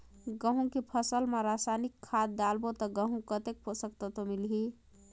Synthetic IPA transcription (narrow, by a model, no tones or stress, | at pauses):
ɡəɦũkepʰəsəlmeɾasanikʰːad̪̚d̪albot̪ɔɡəɦũkət̪ek̚pʰosəkt̪ət̪omilɦi